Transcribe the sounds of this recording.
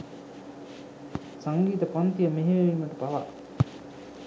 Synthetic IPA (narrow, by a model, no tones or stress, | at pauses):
saŋɡiːt̪əpɔnt̪ijəmeɦeʋeʋimɐʈupaʋa̰